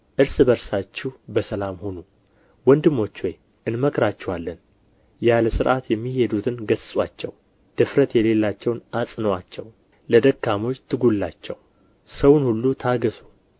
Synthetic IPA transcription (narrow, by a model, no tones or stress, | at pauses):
ʔɨɾsɨbəɾsat͡ʃːuhbəsəlamho̞nu | wɔnd̪ɨmːo̞t͡ʃːwɔj | ʔɨnməkɾat͡ʃːɛwalːən | jaləsɨɾʔat̪jɛmːihe̞d̪ut̪ʰɨnɡəssʼwat͡ʃːɛ̰w | d̪̥ɨfɾət̪jɛle̞lːat͡ʃːɛwnasʼnəwat͡ʃːɛw | ləd̪əkːamo̞t͡ʃːt̪ʰɨɡulːat͡ʃːɛw | səwnhulːut̪ʰaɡəsu̥